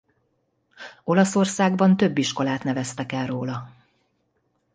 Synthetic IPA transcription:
o̞lɒso̞rsaːɡbɒnt̪ø̞bːiʃko̞laːt̪nɛvɛst̪ɛkɛlroːlɒ

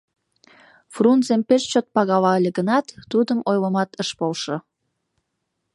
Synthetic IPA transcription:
frunzempeʃt͡ɕot̪̚pɑɣɑβɑəlʲeɣənɑt̪ːud̪əmojləmɑt̪əʃpolʃo

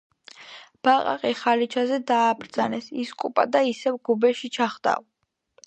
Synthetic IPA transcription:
b̥aqʼa̰qʼiχalit͡ʃʰazɛd̪aːbɾd̪zanɛsiskʼupʼad̪aisɛvɡubɛʃit͡ʃʰaχd̪a̰v

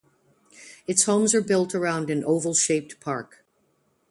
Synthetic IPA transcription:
ɨtshõʊ̃mzə˞bɪlˠtʰə˞ãʊ̃ndɨ̃nʔoʊvl̩ˠʃeɪp̚tpʰɑ̰ɹk

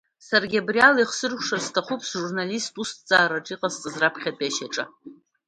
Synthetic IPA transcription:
sarɡʲabrialiχʷsɨrkʷʰʂarstʰaχʷupʰsʒurnalistʼustʰt͡sʼaːɾaʈ͡ʂʼiqʼazt͡sʼɨzrapʰχʲatʼaʃaʈ͡ʂʼa

